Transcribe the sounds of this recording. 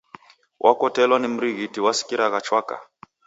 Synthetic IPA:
wʔakɔtɛlwanim̩ɾiɣitiwasi̥kiɾaɣat͡ʃwaka̰

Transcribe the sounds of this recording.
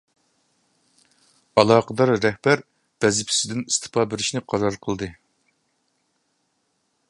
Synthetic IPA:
ɑlˠɑːqəd̪ɑɾːɛhb̥æɾ | b̥ɛzɪpʰi̥sɪd̪ɪnist̪ʰɨ̥pʰɑːbeɾɪʃnɪqʰɑɾɑɾqʰəlˠd̪ɨ

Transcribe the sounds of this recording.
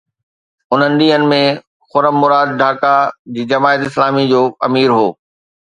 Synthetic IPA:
ʊn̤ənɪ̆ɗĩːɦənɪ̆mẽ | xʊɾəmːʊɾaːd̪̚ɖʱaːkad͡ʑiːd͡ʑɐmaːɪt̪ɪslaːmid͡ʑoːɐ̰miːɾɦoː

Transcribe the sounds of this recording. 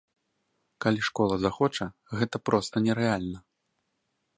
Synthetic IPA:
kalʲiʂkɔlˠɐzaxɔt͡ʂɐɣɛt̪ɐpɾɔst̪ɐnʲɛɾɛalʲnɐ

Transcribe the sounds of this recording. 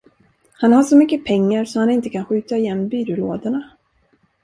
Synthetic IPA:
hanhaʂɔmʏkːəpʰɛŋːaɾsɔhanɪnt̪əkʰanɧʉ̟ːt̪aɪjɛnːmbyːɾɵloːd̪aɳa

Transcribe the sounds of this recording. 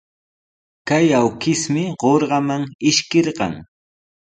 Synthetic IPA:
kajawkɪsmɪɢoɾɢɑmaŋɪʃkɪɾɢɑ̰ŋ

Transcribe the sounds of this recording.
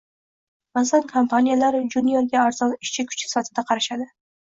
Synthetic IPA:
maszankʰompʰanʲijalaɾd͡ʒunijoɾɡʲaːɾz̥ɒnɪʃt͡ʃʰɪkʰʊ̥t͡ʃʰɪ̥sɪ̥fat̪ʰɪd̪aqʰɑɾaʃad̪ɪ

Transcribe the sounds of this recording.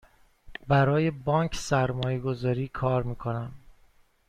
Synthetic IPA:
bæɾɒːjebɒːŋkʰsæɾmɒːjeɡo̞zɒːɾiːkʰɒːɾmiːkʰo̞næm

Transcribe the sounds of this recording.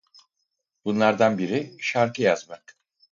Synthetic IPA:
b̥unlˠaɾd̪anbiɾiʃaɾkʰɯjazmak

